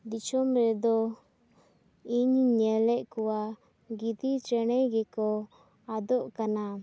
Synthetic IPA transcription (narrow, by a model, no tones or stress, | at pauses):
d̪it͡ʃɔmɾɛd̪ɔ | iɲɲɛlɛʔkɔwa | ɡit̪it͡ʃɛɽ̃ɛɡɛkɔ | ad̪ɔʔkana